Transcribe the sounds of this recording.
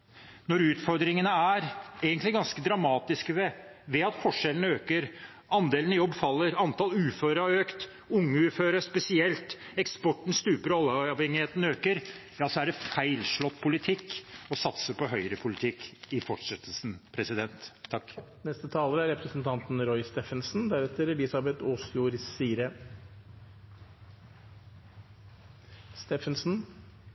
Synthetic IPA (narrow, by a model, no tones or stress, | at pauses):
nɔɾʉːt̪fɔɾd̪ɾɪŋənəæɾeːɡənt̪lɪɡɑnskəd̪ɾɑmɑːt̪ɪskəʋɛʋɛɑt̪fɔʂɛlənəøːkəɾ | ɑnd̪eːlnəjɔbːfɑlːəɾɑnt̪ɑlʉːføːɾəøːkt̪ | ʊŋːəʉːføːɾəspɛsɪɛlt̪ | ɛkspɔʈɳ̩st̪ʉːpəɾɑlːɑːʋhɛŋːɪheːt̪ənəøːkəɾ | jɑːsɔæɖɛfæɪlʂɭɔt̪ːpʰʊlɪt̪ʰɪkːɔsɑt̪səpʰɔɦœʏɾəpʰʊlɪt̪ʰɪkːɪfɔʈʂɛt̪ʰːəlsn̩pʰɾɛsɪd̪ɛnt̪ʰːɑkː | nɛst̪ət̪ʰɑːləɾəæɾɛpɾəsnt̪ʰɑnt̪n̩ɾɔʏst̪ɛfənsnd̪æɾɛt̪ːəɾlɪsɑbɛt̪oːsjuːɾsiːɾə | st̪ɛfənsn̩